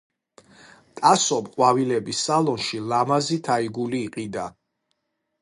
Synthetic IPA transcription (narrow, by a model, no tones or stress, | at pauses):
t̪ʼasɔpqʼwavilɛbisalɔnʃilamazit̪ʰaiɡuliːqʼid̪a